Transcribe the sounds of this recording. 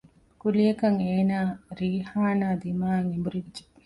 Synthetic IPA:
kulijɐkɐŋeːnaːɾiːhaːnaːd̪imaːŋimbuɾid͡ʒe

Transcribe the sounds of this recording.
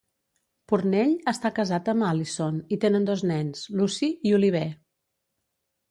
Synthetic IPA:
purnɛʎəst̪akəzat̪əmalisonit̪enənd̪oznɛnslusiiuliβ̞ɛ

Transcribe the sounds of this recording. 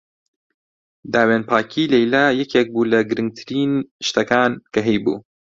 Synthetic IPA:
d̪aːweːnpʰaːkʰiːlɛjlaːjɛkʰeːk̚buːlɐɡɨɾɨŋɡ̚t̪ʰɨɾiːnʃt̪ɐkaːnkɐɦɛjbṵː

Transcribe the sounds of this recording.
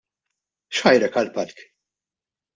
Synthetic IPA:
ʃħɐjɾɛkɐlpɐɾk

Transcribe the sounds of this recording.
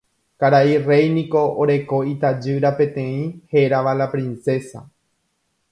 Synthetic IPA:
kaɾaire̞jnĩko̞oɾe̞ko̞it̪ad͡ʒɨɾapẽ̞t̪ẽ̞ĩheɾaʋalapɾĩnse̞sa̰

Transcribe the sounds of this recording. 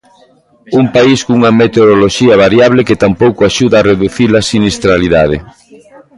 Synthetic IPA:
umpaiskuŋɐmet̪eoðoloʃiɐβ̞aɾjaβ̞leket̪ampowkoaʃuðaːreðuθilasinist̪ɾaliðað̞ḛ

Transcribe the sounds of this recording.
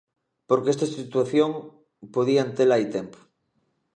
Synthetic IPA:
poɾkeest̪asit̪waθjoŋ | poðiant̪elajt̪empo̥

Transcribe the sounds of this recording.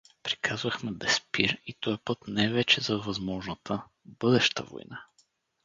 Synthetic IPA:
pɾi̥kʰazvɐxmɛd̪ɛspiɾit̪ɔjɐpɤt̪navɛt͡ʃɛzɐvɐzmɔʒnət̪ʰə | bɤd̪ɛʃt̪ə̰vo̰jna

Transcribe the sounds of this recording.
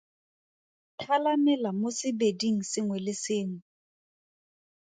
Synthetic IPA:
tʰalamɛlamosɪbediŋ̩sɪŋwɛlɪsɪːŋwɛ

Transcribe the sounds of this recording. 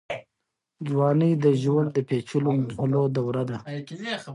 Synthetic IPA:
d͡ʒwɑnid̪əʒwand̪̚d̪əpet͡ʃulomuhulod̪awɾad̪a

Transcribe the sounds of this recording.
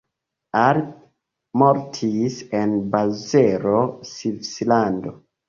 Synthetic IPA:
aɾ | moɾtʰisenbazeɾosifslando

